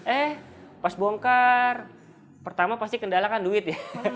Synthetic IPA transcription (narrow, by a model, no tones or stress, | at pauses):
ʔɛh | pasboŋkar | pərt̪amapast̪ikəndalakanduɪt̪̚ja